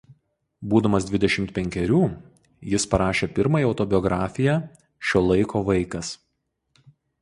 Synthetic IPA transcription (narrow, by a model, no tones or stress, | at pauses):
buːd̪ɐmɐsd̪ʲʋʲɪd̪ʲɛʃʲɪmt̪pʲɛŋʲkʲɛɾʲuː | jɪspɐɾɑːʃʲeːpʲɪɾmɐjɛɒʊt̪ɔbʲɪjɔɡɾɑːfʲɪjæː | ʃʲoːlˠɐɪkʰoːʋɐɪkɐs